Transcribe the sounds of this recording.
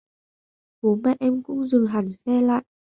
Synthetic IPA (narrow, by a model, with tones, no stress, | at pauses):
ɓo˨˦mɛ̰˧˨ʔɛ˧mkʊ̰˧˥ŋ͡mzɨ˨˩ɦa˨˩ŋsɛ˧la̰ː˧˨jʔ